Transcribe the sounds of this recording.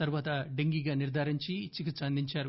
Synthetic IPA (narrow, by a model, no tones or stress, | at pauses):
t̪ɐɾuʋaːt̪ɐɖeŋɡiɡaːniɾd̪ʱaːɾiɲt͡ʃit͡ʃikɐt͡ʃɐnd̪iɲt͡ʃaːɾu